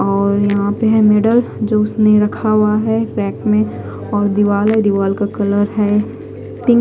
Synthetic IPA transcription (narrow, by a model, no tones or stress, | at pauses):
ɔːɾjɐɦãpeɦɛ̃meːɖəld͡ʒoːʊsneɾɐkʰaaɦɛʈɾɛːkmẽ | ɔːɾd̪ɪʋaːləid̪ɪʋaːlkakɐləɾɦɛ | ʈɪ̃